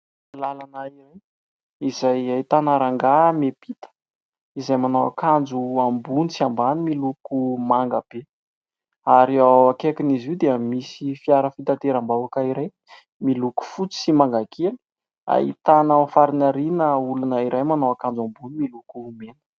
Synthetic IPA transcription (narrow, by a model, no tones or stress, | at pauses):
lalanaiɾaj | izajait̪anaɾaŋɡamepit̪ə̥ | izajmanawa̰kand͡zuambunit͡siambanimilukumaŋɡab̥e | aɾiawakekiniziwd̪eəmisifiaɾəfit̪at̪eɾambawakaiɾaj | miluku̥fut͡si̥simaŋɡakʰeli̥ | a̰ḭt̪anəfaɾinaɾinəulunəiɾʔajmanawakand͡zambunimilukumenə̥